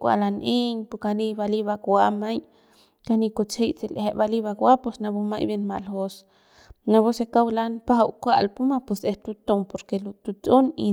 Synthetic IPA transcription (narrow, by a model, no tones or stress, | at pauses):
kʷa̰lanʔeɲpukanibaliβakwamaj | kanikot͡shejt͡sileheʔbaliβakwapusnabuma̰jbenmaʔlhos | naβosekawlanpaɦawkʷaʔlpumapuseht̪ut̪ompoɾkelut̪ut͡sʼonḭ